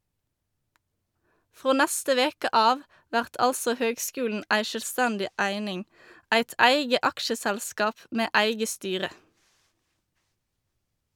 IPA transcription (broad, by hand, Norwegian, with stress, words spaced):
ˈfʁoː ˈnæstə ˈʋeːkə ˈʔɑːʋ ˈʋæʁt ˈʔɑlsɔ ˈhøːɡˌskʉːln̩ ˈʔæɪ ʃœlˈstændɪ ˈʔæɪnɪŋ ˈʔæɪt ˈʔæɪɡə ˈʔɑkʃəˌsælˌskɑːp ˈʔmeː ˈʔæɪɡə ˈstyːʁə